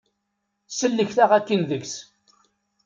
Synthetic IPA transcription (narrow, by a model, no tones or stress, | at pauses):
səlːəçθaʁækːənðəɡs